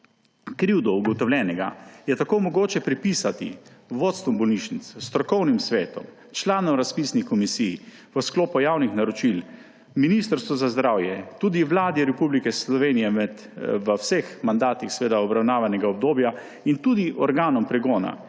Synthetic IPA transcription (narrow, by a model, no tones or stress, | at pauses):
kɾiwd̪ɔuɡɔt̪ɔwlʲɛːnɛɡa̰jɛt̪akoːmɔɡoːt͡ʃɛpɾipiːsat̪ḭʋoːt̪st̪ʋɔmbɔlniʃnit̪sst̪ɾɔkɔwnimsʋeːt̪ɔ̰m | t͡ʃlaːnɔmɾaspisnixkɔmisij | ʋəskloːpɔjaːwnixnaɾɔt͡ʃil | minist̪əɾst̪ʋɔzazd̪ɾaːwjɛt̪ud̪iʋlaːd̪iɾɛpublikɛslɔʋenijɛmɛ | ʋəwsexmand̪aːt̪ixsɛʋeːd̪aɔbɾawnaːʋanɛɡaɔb̚d̪oːbja | int̪ud̪iʔɔɾɡaːnɔmpɾɛɡɔːna̰